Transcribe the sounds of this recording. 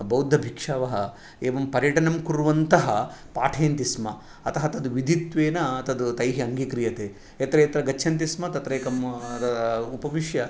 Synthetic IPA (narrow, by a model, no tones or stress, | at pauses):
bɐwd̪ʱːɐbʱikʂaːʋɐɦɐ | eːʋɐmpɐɾjɐʈɐnɐmkuɾuʋɐnt̪ɐɦɐpaːʈʰeːnt̪ismɐ | ɐt̪ɐɦɐt̪ɐd̪uʋid̪ʱit̪ʋeːnɐɐt̪ɐd̪ut̪ɐjɦiɐŋɡikɾijɐt̪eː | et̪ɾɐːt̪ɾɐɡɐt͡ʃːʃʰɐnt̪̬ismɐt̪ɐt̪ɾeːkɐmt̪ɐɐupɐʋiʂjɐ